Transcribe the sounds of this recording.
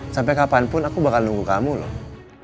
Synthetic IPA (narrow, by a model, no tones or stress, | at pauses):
sampɛkapanpʊnakubakalnuŋɡukamulɔ̰h